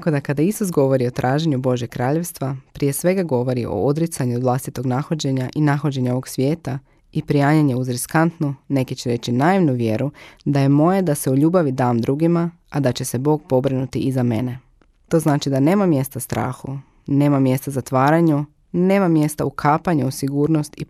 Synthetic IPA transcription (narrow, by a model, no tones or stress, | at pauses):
t̪akod̪akad̪aisusɡo̞ʋo̞ɾio̞t̪ɾʔaːʒeɲubo̞ʒje̞ɡkɾaːʎe̞ʋst̪ʋapɾije̞sʋe̞ɡaɡo̞ʋo̞ɾiʔo̰od̪ɾit̪saɲuʋlˠast̪it̪o̞ɡnaxo̞d͡ʑe̞ɲaʔinaxo̞d͡ʑe̞ɲao̞ʋoɡsʋje̞ːt̪a | ipɾijaːɲaɲe̞uzɾiskant̪nune̞kit͡ɕeɾe̞t͡ɕinaːiʋnuʋje̞ɾud̪aje̞mo̞je̞d̪ase̞uʎuːbaʋid̪aːmd̪ɾuːɡima | ad̪at͡ɕe̞se̞bo̞ːɡ̚po̞bɾinut̪iizame̞ne̞ | t̪o̞ːznaːt͡ʃid̪ane̞ːmamje̞st̪ast̪ɾa̰ːxu | ne̞ːmamje̞st̪azat̪ʋaːɾaɲu | ne̞ːmamje̞st̪aukʰaːpaɲuusiɡuːɾno̞st̪i